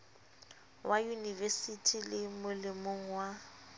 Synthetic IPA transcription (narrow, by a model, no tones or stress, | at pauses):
wʔajunivesitʰilɪmʊlɪmoŋ̩wa